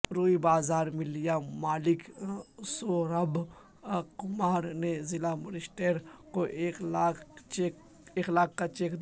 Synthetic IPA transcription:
ɾuːibaːzaːɾmɪlijamaːlɪksoːɾɐb | kʊmaːɾnezɪlamɐɾiʃʈeːɾkoʔeːklat͡ʃek | eːklaːkːat͡ʃeːkd̪

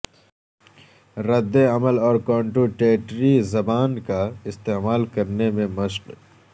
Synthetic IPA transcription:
ɾɐd̪ːeɐməlɔːɾkɔ̃ːɳʈuʈeːʈɾizɐbaːnkaɪst̪eːmaːlkɐɾnemẽmɐʃq

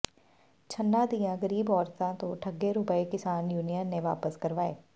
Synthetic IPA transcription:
t͡ʃʰənːãːd̪ijãːɡəɾiːbɔːɾt̪ãːt̪õːʈʰəɡːeɾʊpəekɪsaːnjuːnijənːeʋaːpəskəɾʋaːḛː

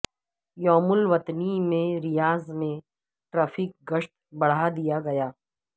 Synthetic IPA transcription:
jɔːmʊlʋɐt̪nimẽɾɪjaːzmẽ | ʈɾaːfʰik̚ɡəʃʈ̚ | bɐɽ̤ad̪ijaɡɐjaː

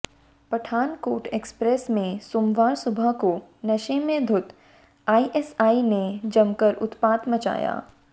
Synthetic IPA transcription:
pɐʈʰaːnkoːʈeːkspɾeːsmẽsoːmʋaːɾsʊbʱəkonɐʃemẽd̪ʱʊt̪ | aːiʔɛsaːined͡ʒɐmkəɾʊ̰t̪paːt̪mɐt͡ʃa̰ːja̰ː

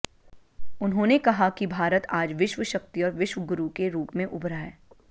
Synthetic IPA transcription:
ʊnɦõːnekɐɦakibʱaːɾət̪aːd͡ʒʋɪʃʋəʃək̚t̪iɔːɾʋɪʃʋəɡʊɾukeɾuːpmẽʔʊbɾaːeː

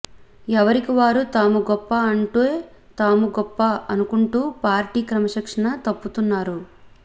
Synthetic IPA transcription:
ɛʋɐɾikiʋaːɾut̪aːmuɡɔpːɐɐɳʈue | t̪aːmuɡɔpːɐɐnukuɳʈuːpaːɾʈiːkɾɐmɐʃɐkʂɐɳɐt̪ɐpːut̪unːaːɾu

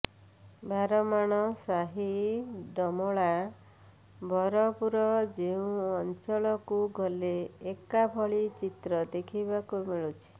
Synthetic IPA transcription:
bʱaɾɔmaɽ̃ɔsaɦiɖɔmɔɭa | bʱɔɾɔpuɾɔd͡ʒeũɔnt͡ʃɔɭɔkuɡʱɔleːkabʱɔɭit͡ʃit̪ɾɔd̪ekʰibakumiɭut͡ʃʰi̥

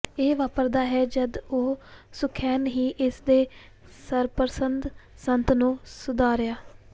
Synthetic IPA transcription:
eːʋaːpəɾd̪aːɦɛːd͡ʒəd̪oːsʊkʰːɛːnɦiːʔɪsd̪eː | səɾpəɾsənd̪ | sənt̪nũːsʊd̪aːɾɪjaː

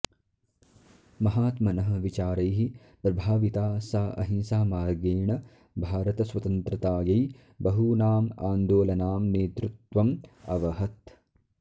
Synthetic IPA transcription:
mɐɦaːt̪mɐnɐɦɐ̆ʋit͡ʃaːɾɐjɦi | pɾɐbʱaːʋit̪aːsaːɐ̰ɦinsaːmaːɾɡeːɳɐ | bʱaːɾɐt̪ɐsʋɐt̪ɐnt̪ɾɐt̪aːjɐj | bɐɦunaːma̰ːnd̪oːlɐnaːmneːt̪ɾut̪ʋɐmɐ̰ʋɐɦɐt̪

